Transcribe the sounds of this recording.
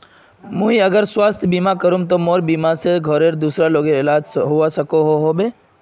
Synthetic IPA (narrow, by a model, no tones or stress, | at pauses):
mũːɦiɐɡəɾswaːst̪ʰbiːmakəɾũmt̪̬omoːɾbiːmaseɡʱɔɾeɾd̪uːsɾaloːɡeɪlaːd͡ʒɦuasɐkoɦoɦobeː